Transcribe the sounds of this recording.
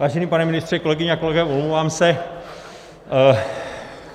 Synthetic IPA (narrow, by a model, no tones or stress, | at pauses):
vaːʒɛniːpanɛmɪnɪst̪r̥ɛkolɛɡɪɲɛakolɛɡɛumloovaːmsɛ